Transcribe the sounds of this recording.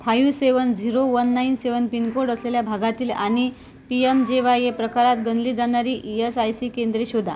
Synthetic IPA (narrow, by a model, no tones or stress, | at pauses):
p̪ʰajuseʋənd͡ziɾoʋənːainseʋənpinkoɽəsleljabʱaɡat̪iːla̰ñi | piemd͡ʑeʋajepɾəkaɾat̪ɡənliːd͡zañaɾiːʔiesajsiːkẽnd̪ɾiɕod̪ʱa̰